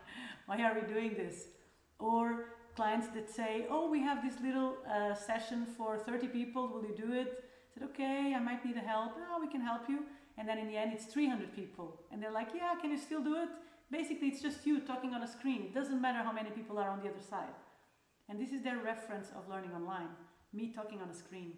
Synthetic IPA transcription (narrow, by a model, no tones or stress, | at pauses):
waɪə˞widʉɪ̃ŋðɪs | ə˞kʰl̥aɪɨ̃ntsðɨtseɪʔoʊwiɨvðɪslɪɾl̩ˠʌsɛʃɨ̃nfə˞θɜ˞ɾipipl̩ˠwɪlˠjɨdɨɪt̚ | sɛɾoʊkʰeɪaɪmaɪtnid̚ɨɦɛlˠpnowikɨ̃nɦɛlˠpʰju | ɨ̃nðɨ̃ñɨ̃nðiɛ̃ndɨtsθɹihʌ̃ndɹɨd̚pipʰl̩ˠɨ̃nðə˞laɪkjækɨ̃njɨstɪlˠdɨɪtb̥eɪsɨkliɨtsd̥ʒ̥ʌstjɨtʰɔkɪ̃ŋə̃nəskɹĩnt̚d̥ʌzə̃n̩mæɾə˞ɦaʊmɛñipipl̩ˠə˞ə̃nðiʌðə˞saɪd | ɨ̃nðɪsɨzðə˞ɹɛfɹɨ̃nsʌ̰vlɜ˞nɪ̃ŋɔ̃nlãɪ̃n | mitʰɔkɪ̃ŋə̃nəskʰɹĩn